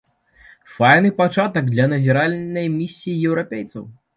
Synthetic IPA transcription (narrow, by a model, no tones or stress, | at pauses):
fajn̪ɨpat͡ʂat̪ɐɡd̪lʲɐnɐzʲiɾalʲnɐjmʲisʲːijijɛwɾapʲejt̪sɐ̰w